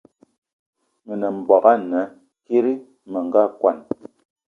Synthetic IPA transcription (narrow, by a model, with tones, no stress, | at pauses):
mi˨nɛ˨m̩˨bɔ˨ka˦nɛ˨˦ | ki˦ɾi˦ | mə˨ŋ˦ɡa˦kwa˨n